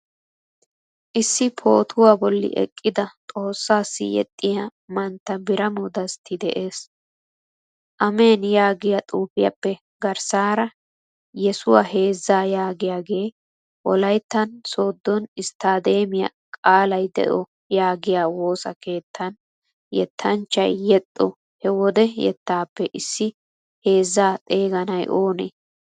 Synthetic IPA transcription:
ʔɪsːɪpʰo̞ːt̪ʰʊwaːbɔlːɪ̰ʔɛ̰kʼːɪd̪ɐt̪ʼo̞ːsːaːsːɪ̰jɛ̰t̪ʼːɪjamɐnt̪ːɐbɪɾɐmʊd̪ɐst̪ʰːɪd̪ɛʔe̞ːs | ʔɐme̞ːnjaːɡɪjat̪ʼuːfɪjɐ̰pːɛ | ɡɐɾsaːɾɐ | jɛsʊwahe̞ːzːaːjaːɡɪjaːɡe̞ː | ʔɔlɐjt̪ːɐnso̞ːd̪ːɔnɪst̪aːd̪e̞ːmɪjɐ̰ | kʼaːlɐjd̪ɛ̰ʔɔ | jaːɡɪjaːwo̞ːsɐ̰ke̞ːt̪ʰːɐn | jɛ̰t̪ʰːɐnt͡ʃːɐ̰jːɛt̪ʼːɔ | hɛwɔd̪ɛjɛ̰t̪ːaːpːɛʔɪsːɪ | he̞ːzːaːt̪ʼe̞ːɡɐnɐjʔo̞ːnḛː

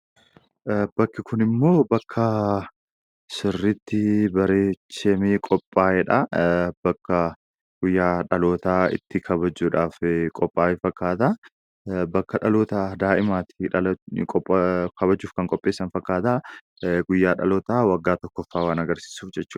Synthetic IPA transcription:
bɐkːɪkʰʊnɪmːo̞ːbɐkʰːɐ | sɪrːɪt̪ːɪbɐɾeːt͡ʃːɛmeːkʼɔpʼːaːjɛᶑɐbɐkːɐ | ɡ̥ʊjːaːᶑɐlo̞ːt̪aːɪ̰t̪ːɪkʰɐβɐd͡ʒːuːᶑaːfkʼɔpʼːaːjɛfɐkːaːt̪aː | bɐkːɐᶑɐlo̞ːt̪ad̪aːʔɪmaːt̪ɪ̥ᶑɐkʼkʰɐβɐd͡ʒːuːfkɐŋkʼɔpʼːeːsːɐnfɐkːaːt̪aː | ɡʊjːaːᶑɐ̰loːt̪aːwɐɡːaːt̪ɔkːɔfːaːwaːnɐɡɐɾsi̥ːsuːfd͡ʒɛt͡ʃːuːᶑ

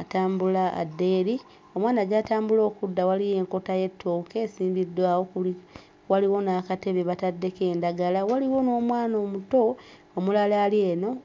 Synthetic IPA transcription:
ataːmbula̰ːdːe̞ːɾi | o̞mwaːnaɟaːtaːmbulo̞ːkudːawalije̞ːŋko̞taje̞tʰːoːkesiːmbidwaːwo̞kuli | waliwo̞nakate̞βe̞βatadːe̞ke̞ːndaɡalawaliwo̞no̞ːmwaːno̞ːmuto̞ | omulalaːlie̞ːno̞

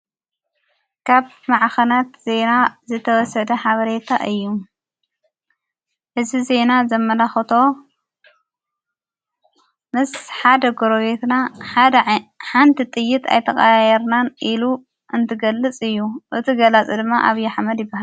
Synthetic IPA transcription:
kʰaβ | maʕxɐnat̪ze̞nazɨt̪ʰɐwɔsɐd̪ɐħaβɐɾe̞t̪ʰa̰ʔɨjːu | ħɨzbize̞nazɐmːɐlaxɐt̪ʰo̞ | mɨsħad̪ɐɡoɾoβe̞t̪na | ħant̪ʰit̪ʼɨjːɪt̪ʰa̰jt̪ʰɐχʼajɛɾnanʔilu | ʔɨnt̪ʰɨɡɐlːɨt͡sʼɨjːuʔɨt̪ʰiɡɐlat͡sʼɨd̪ɨmːaʔaβjaħmɐd̪jɪbːahal

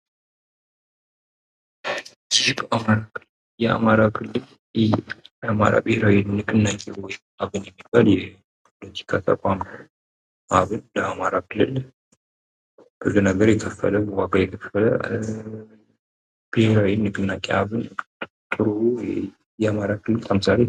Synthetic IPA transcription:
zibəʔamaɾakʰɨlː | jɛa̰maɾakʰɨlːɨl | ama̰ɾa̰bɨheɾawinnɨkʼɨnːakʼewɔjɪmaβɨnjɛmːibaljɛ | pʰo̞lət̪ʰi̥kʰat̪ʰə̰kʷʼam | ʔaβɨnləamaɾakʰɨlːɨ̰l | b̥ɨzunəɡəɾjɛkʰəfːə̰ləbwaɡajɛkʰəfːələ | b̥ɨheɾawinːɨkʼɨnːakʼeaβɨnt̪ʼɨɾu | jɛamaɾakʰɨlːɨlkʰəmɨsa̰le

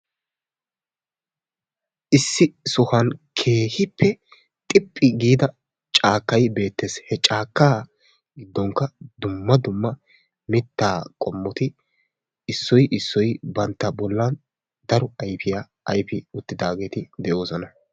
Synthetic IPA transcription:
ʔɪsːɪsʊhɐnkʰe̞ːhɪpʰːɛ | t̪ʼɪpʼːɪɡiːd̪ɐ | t͡ʃʼaːkːɐjbe̞ːt̪ːeːshɛt͡ʃʼaːkːaː | ɡɪd̪ːɔŋkːɐd̪ʊmːɐd̪ʊmːɐ | mɪt̪ːaːkʼɔmːɔt̪ɪ | ɪsːɔjʔɪsːɔjbɐnt̪ːɐbɔlːɐn | d̪ɐɾɔɐjfɪja | ʔɐjfɪʊt̪ːɪd̪aːɡe̞ːt̪ɪd̪ɛʔo̞ːsɔnɐ

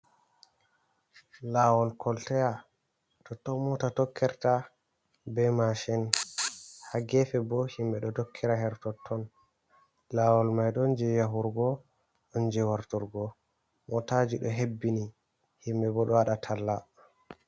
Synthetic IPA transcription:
lawɔlkʰɔltɛja | tɔtːɔmɔtatɔkʰːɛɾta | bɛmaʃɛn | haɡɛfɛbɔhimbɛɗɔtokʰːiɾaɦɛɾtɔtʰːɔn | lawɔlmajɗɔnd͡ʒɛjaɦuɾɡɔ | ɗɔnd͡ʒɛwaɾtɔɾɡɔ | mɔtad͡ʒiɗɔɦebːini | himbɛbɔɗɔwaɗatʰalːa

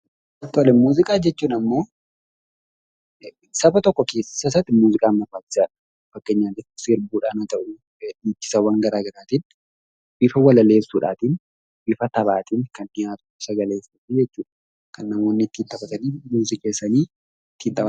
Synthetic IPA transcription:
ɐt̪ːɔlɛmuːzɪkʼaːd͡ʒɛt͡ʃːuːnɐmːo̞ː | sɐbɐt̪ɔkːɔkeːssɐsɐt̪ːɪmuːzɪkʼaːnmɐfaːt̪ːɪ̥saːᶑɐ̥ | fɐkːeɲːaːd͡ʒɛtːsɪɾbuːᶑaːnɐt̪ɐʔʊ | it͡ʃːɪ̥sɐwɐŋɡɐɾaːɡɐɾaːt̪ɪn | b̥ɪfɐwɐlɐle̞ːsːuːᶑaːt̪ɪn | bɪfɐt̪ɐβaːt̪ɪnkɐnɪjaːt̪ʼʊɪsɐɡɐleːsɐt̪ɪd͡ʒɛt͡ʃːuːᶑɐ̥ | kɐnːɐmoːnːɪt̪ːiːnt̪ʼɐbɐt̪ɐniːmuːzɪkʼeːsːɐniː | t̪ːiːnt̪ʼɐb

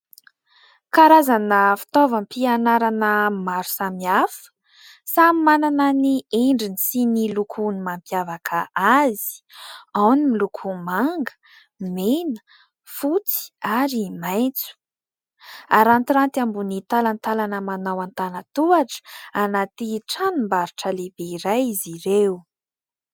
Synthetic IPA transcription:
kaɾazanəfi̥t̪ovəmpianaɾanəmaɾu̥samiafə̥ | samimananənieɳɖ͡ʐinisinilukʰunimampjavakʰəazi̥awnimilukʰumaŋɡə̥ | menə̥ | fut͡si̥aɾimajt͡su̥ | aɾant̪iɾant̪iambunit̪alant̪alanəmanawant̪anat̪uaʈ͡ʂə̥anat̪iʈ͡ʂanumbaɾuʈ͡ʂəlebeiɾajiziɾew

